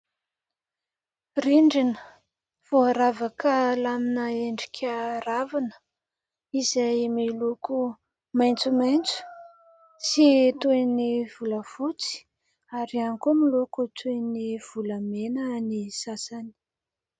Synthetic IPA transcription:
riɳɖ͡ʐinə | v̥oaɾavakəlaminəeɳɖ͡ʐi̥kʲʰaɾavanə̥ | izajmeluku | majnt͡sumajnt͡su̥ | sit̪ueniv̥uləv̥ut͡si̥ | aɾianikomilokut̪ʰueniv̥ulamenənisasani̥

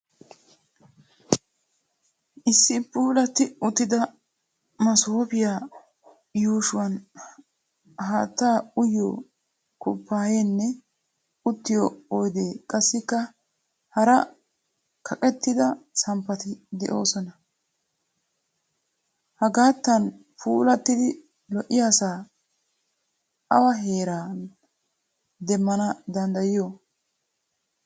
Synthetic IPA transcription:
ʔɪsːɪpːuːlɐt̪ɪʊt̪ːɪd̪ɐ | mɐsoːpɪjaː | juːʃʊwɐn | ɦaːt̪ːaːʊjo̰ː | kʊpːaːjenːɛ | ʊt̪ːɪjoɔjd̪eːkʼɐsːɪkːɐ | hɐɾɐ | kʰɐkʼɛt̪ːɪd̪ɐsɐmpːɐt̪ɪd̪ɛʔo̞̰ːsɔnɐ | hɐɡaːt̪ːɐn | pʰuːlɐt̪ːɪd̪ɪ | lɔʔɪjaːsaː | ʔɐwɐɦe̞ːɾaːn | d̪ɛmːɐnɐd̪ɐnd̪ɐjɪjoː

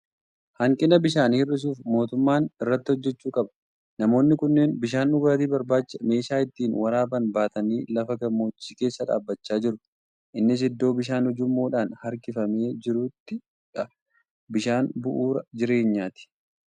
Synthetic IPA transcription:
hɐŋkʼɪnɐbɪʃaːnhɪrːɪs̬uːfmo̞ːt̪ʊmːaːnɪrːɐt̪ːɪhɔd͡ʒːɛt͡ʃːuːkʼɐbɐ̥ | nɐmo̞ːnːɪkʊnːeːnbɪʃaːnʊɡaːt̪̬iːbɐɾbaːt͡ʃːɐme̞ːʃaːɪt̪ːiːnwɐɾaːbɐnbaːt̪ɐniːlɐfɐɡɐmːo̞ːt͡ʃːiːke̞ːsːɐᶑa̰ːbːɐt͡ʃːaːd͡ʒɪɾʊ | ʔɪnːɪs̬ɪd̪ːo̞ːbɪʃ̬aːnhɔd͡ʒʊmːo̞ːᶑaːnhɐɾkɪfɐme̞ːd͡ʒɪɾuːt̪ːɪ | ᶑɐ | bɪʃaːnbʊʔuːɾɐd͡ʒɪɾe̞ːɲːaːt̪ɪ̥

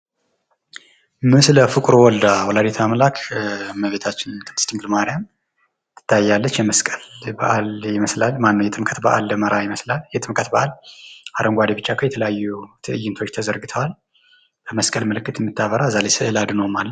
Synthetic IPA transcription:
mɨsləfɨkʼɾowɔld̪awɔlad̪et̪ʰamlakʰməβe̞t̪ʰat͡ʃːɪnt̪ʰʼɨ̥st̪iŋɡlmaɾijam | t̪ʰɨ̥t̪ʰːajːalːət͡ʃːjɛməskʼəlbə̰ʔaljɪməslalmanːəwjɛt̪ʼɨmkʼət̪ba̰ʔa̰lbəməɾajɪməslaljɛt̪ʼɨmkʼət̪bəʔalʔaɾəŋɡʷad̪ebɨt͡ʃːakʰəjɛt̪ʰələjajːut̪ʰɨʔɨjːɪnt̪ʰo̞t͡ʃːt̪ʰəzəɾɡɨt̪ʰəwal | b̥əməskʼəlməlɨkːɨt̪jɛmːɨt̪ʰːaβəɾazalesɨʔɨlad̪nəwmalːə

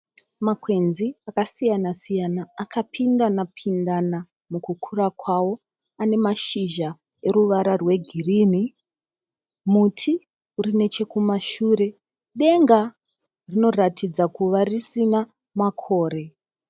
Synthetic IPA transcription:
makwe̞nziakasijanasijanaːkʰapʰindanapʰindana | mukukʰuɾakwawo̞ | ane̞maʃiʒa | e̞ɾuʋaɾarwe̞ɡʱiriːni | mutʰi | uɾine̞t͡ʃe̞kumaʃure̞ | ɗe̞ŋɡa | rino̞ratʰid͡zakuʋarisina | makʰo̞ːɾe̞

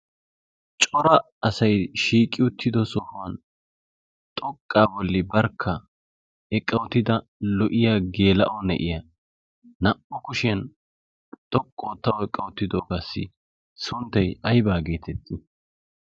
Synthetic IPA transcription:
t͡ʃʼɔɾɐ | ɐsɐjʃiːkʼːɪʊt̪ʰːɪd̪ɔsɔfʊwɐn | t̪ʼɔkʼːaːbɔlːɪbɐɾkʰːɐ | ɛkʼːɐwt̪ːɪd̪ɐ | lɔʔɪjaːɡe̞ːlɐ̰ʔɔnɛ̰ʔɪjɐ | nɐpːɔkʊʃɪjɐn | t̪ʼɔkʼːoːt̪ːɐwɛkʼːɐwʊt̪ːɪd̪oːɡɐsːɪ̰ | sʊnt̪ːɐjɐjbaːɡe̞ːt̪ɛt̪ʰːɪ

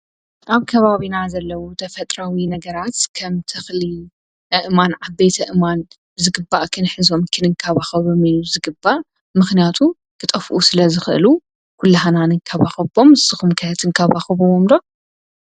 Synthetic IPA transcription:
ʔaβkʰɐβaβinazɐlːɐwot̪ʰɐfɐt̪ʼɾawinɐɡɐɾat̪kʰɐmt̪ʰɨxli | ʔɨʔmanʕabet̪ʰɐʔɨman | zɨɡɨbːaʔkʰɨnħɨzo̞mkʰɨnɨŋkʰɐβaxɐβomijuzɨɡɨbːaʔ | mɨxnijat̪ʰu | kʰɨt̪ʼɐfʔusɨlɐzɨxʔɨ̰lu | kʰulːɐɦananɨŋkʰɐβa̰xɨbo̞msɨxumkʰɐt̪ʰɨŋkʰɐβaxɨβowomd̪o

